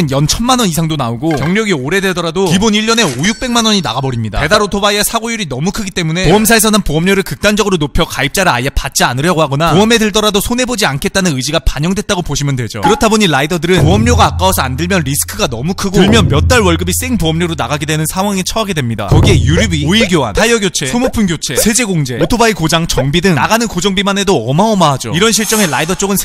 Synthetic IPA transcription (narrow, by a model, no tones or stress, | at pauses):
ɯnjʌnt͡ɕʰʌnmanʌnisʰaŋdonaoɡokjʌŋɲjʌɡioɾe̞dedʌɾadokiboniʎːʌne̞ojuk̚p͈e̞ŋmanʌɲina̰ɡabʌɾimɲida̰e̞daɾotʰobaiasʰaɡojuɾinʌmukʰɯɡit͈e̞mune̞oʌms̬ʰaes̬ʰʌnanpoʌmɲoɾɯɭkɯk̚t͈and͡ʑʌɡɯɾonopʰjʌkaip̚t͡ɕ͈aɾɯɭajapat̚t͡ɕ͈ianɯɾjʌɡoɦaɡʌnapoʌme̞deɭtʌɾadosʰone̞bod͡ʑiankʰet̚t͈anɯnɯd͡ʑiɡapaɲʌŋdwe̞t̚t͈aɡopoɕʰimjʌndwe̞d͡ʑo̰kɯɾʌtʰaboɲiɭaidʌdɯɾɯnpoʌmɲoɡaːk͈awʌsʰʌandɯɭmjʌnɾisʰɯ̥kʰɯɡanʌmukʰɯɡooɭmjʌnmjʌt̚t͈aɭwʌɭɡɯbis͈e̞ŋpoʌmɲoɾonaɡaɡedwenɯnsʰaŋwaŋit͡ɕʰʌɦaɡe̞dwe̞mɲida̰kʌɡie̞juɾubioiɭɡjoa̰ntʰaɭjʌɡjot͡ɕʰe̞sʰumopʰunɡjot͡ɕʰe̞sʰe̞d͡ʑe̞ɡoŋd͡ʑe̞otʰobaikod͡ʑaŋt͡ɕʌŋbidɯŋnaɡanɯnkod͡ʑʌŋbimane̞doʌmaʌmaɦad͡ʑoiɾʌnɕʰiɭt͡ɕ͈ʌŋe̞ɭaidʌt͡ɕ͈oɡɯnʰ